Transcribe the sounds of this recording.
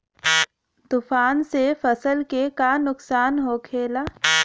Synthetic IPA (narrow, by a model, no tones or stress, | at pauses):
t̪ʊfaːnsefəsəlkekanʊksaːnɦoːkʰeːla